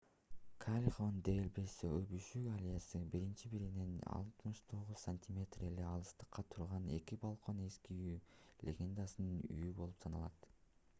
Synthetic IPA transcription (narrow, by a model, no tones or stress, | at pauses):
kʰalʲiχovnd̪e̞ilʲbe̞siøbyʃyɡalʲijasɯbiɾint͡ʃibiɾinenɑ̰lˠt̪mɯʃt̪ʰo̞ʁuz̥sanʲtʲʰimʲe̞t̪re̞leɑlˠɯst̪ɯ̥qːɑt̪ʰuɾʁɑne̞̰kibɑlˠqʰo̞ne̞skiylʲḛɡʲe̞nd̪asɯnɯny̰jybo̞lˠupsɑnɑlˠɑt̪